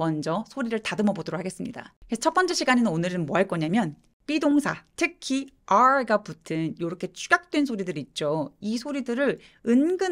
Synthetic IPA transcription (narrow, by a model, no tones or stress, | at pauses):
mʌnd͡ʑʌsʰoɾiɾɯɭtadɯmʌbodoɾokʰhʰaɡe̞s͈ɯmɲida̰kʰet͡ɕʰʌp͈ʌnt͡ɕ͈eɕʰiɡaɲinɯnonɯɾɯnmoaɭk͈ʌɲamjʌn | p͈idoŋsʰatʰɯkʰiaɡaputʰɯnjoɾʌkʰe̞t͡ɕʰuɡak̚t͈wensʰoɾidɯɾit̚t͡ɕ͈oisʰoɾidɯɾɯɾ | ɯnɡɯ